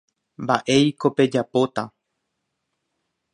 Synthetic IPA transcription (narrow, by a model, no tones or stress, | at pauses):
mbaʔe̞jko̞pe̞d͡ʒapo̞t̪a